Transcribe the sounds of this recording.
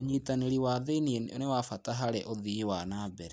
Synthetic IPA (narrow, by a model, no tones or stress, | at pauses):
ɲitaneɾiwaːðenieno̰newafataɦaɾɛʔoðiwanabɛɾɛ